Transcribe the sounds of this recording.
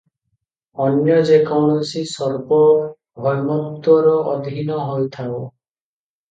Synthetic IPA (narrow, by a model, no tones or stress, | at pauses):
ɔnjɔd͡ʒekɔwɽ̃ɔsisɔɾbɔ | bʱɔjmɔk̚t̪wɔɾɔʔɔd̪ʱinɔɦɔjt̪ʰao